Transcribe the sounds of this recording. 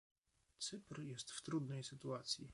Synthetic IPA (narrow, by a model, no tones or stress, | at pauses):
t̪sɘpɾjɛst̪ft̪ɾud̪nɛjsɘt̪uat̪sʲji